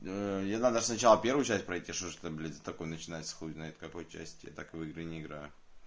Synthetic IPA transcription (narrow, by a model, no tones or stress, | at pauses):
əjanad̪əʐsnɐt͡ɕalˠəpʲe̞rvʊjʊt͡ɕæsʲt̚ʲpɾɐjtʲiʂt̪oʐt̪əblʲizət̪ɐkojnət͡ɕɪnajt̪ʲsxˠuznajɪt̪kɐkojʊt͡ɕæ̰sʲtʲja̰t̪akɨvɨɡɾɨnʲɪɪɡɾa̰jʊ